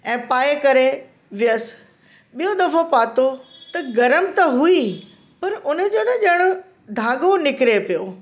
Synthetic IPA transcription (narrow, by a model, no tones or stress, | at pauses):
ɛ̃ːpaːekɐɾe | ʋɪjəs | ɓijõɗ̪ɐfʰopaːt̪ot̪ɐɡɐɾəmt̪ɐɦui | pɐɾʊnə̆d͡ʑonəʄɐɽ̃ʊ | d̪ʱaːɡonɪkɪɾepijo